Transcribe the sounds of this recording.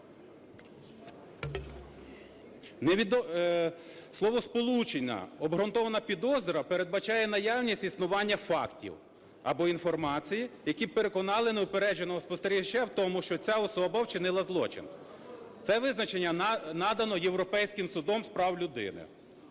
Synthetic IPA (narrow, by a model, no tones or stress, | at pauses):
ned̪ | slˠɔʋɔspɔlˠut͡ʃenʲːɐ̰ɔbɦɾɔnt̪ɔʋɐnɐpʲid̪ɔzɔɾɐpeɾe̞d̪̚bɐt͡ʃɑjɛnɐjɑwnʲisʲtʲisnʊʋɑnʲːɐfɑktʲḭw | ɐbɔinfɔrmɑt͡sʲijijɐkʲipeɾe̞kɔnɑlˠɪneʊpeɾɛd͡ʒenɔɦɔspɔst̪eɾʲit͡ʃawt̪ɔmʊʃt͡ʃɔt͡sʲaɔsɔbɐwt͡ʃɪnɪlˠɐzlˠɔ̰t͡ʃɪ̰n | t̪sɛʋɪznɐt͡ʃe̞nʲːɐnɑd̪ɐnɔje̞wɾɔpɛjsʲkɪmsʊd̪ɔmspɾɑwlʲʊd̪ɪ̰nɪ̰